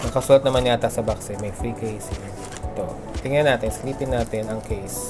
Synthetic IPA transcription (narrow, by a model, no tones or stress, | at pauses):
nɐkɐsuːlɐt̪̚nɐmanɲat̪ɐsɐbaksɛmɐjfɾiːkejsɪŋ | t̪o̰ | t̪ɪŋɐnaːt̪ɛŋsɐliːpɪnːaːt̪ɛnɐŋkʰejs